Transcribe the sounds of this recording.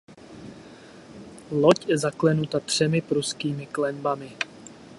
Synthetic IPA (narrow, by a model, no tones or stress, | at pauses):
locjɛzaklɛnut̪at̪r̝̥ɛmɪpɾuskiːmɪklɛnbamɪ